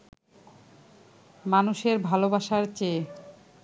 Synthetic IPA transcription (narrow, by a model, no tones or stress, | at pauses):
manuʃeɾbʱalobaʃaɾt͡ɕe